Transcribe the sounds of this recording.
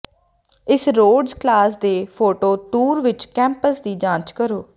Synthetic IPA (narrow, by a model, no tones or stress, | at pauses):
ɪsɾoːɖzklaːsd̪eːpʰoːʈoːt̪uːɾʋɪt͡ʃkɛ̃ːmpəsd̪iːd͡ʒãːt͡ʃkəɾoː